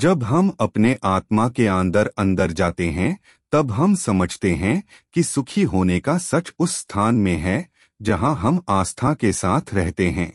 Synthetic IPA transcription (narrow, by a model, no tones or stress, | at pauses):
d͡ʒɐbɦɐmɐpneʔaːt̪makeə̃nd̪əɾɐ̃nd̪əɾd͡ʒaːt̪eɦɛ̃ | t̪ɐbɦɐmsɐməd͡ʒʱt̪eɦɛ̃ | kisʊkʰiɦoːnekasɐt͡ʃʊsːt̪ʰaːnmẽɦɛ | d͡ʒɐɦãɦɐmaːst̪ʰakesaːt̪ʰɾɛɦt̪eɦɛ̰̃ː